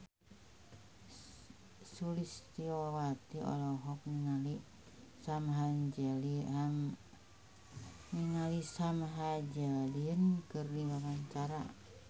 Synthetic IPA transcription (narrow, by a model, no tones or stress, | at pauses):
sulist̪iowat̪iɔ̰lɔɦɔk̚niŋali | samɦand͡ʒɛliam | niŋalisamɦad͡ʒɛlinkɨrdiwaɾaɲt͡ʃaɾa̰